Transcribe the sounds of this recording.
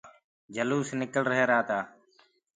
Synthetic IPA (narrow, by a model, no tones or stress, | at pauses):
d͡ʒəluːsnɪkəlɾəɦeːɾaːt̪aː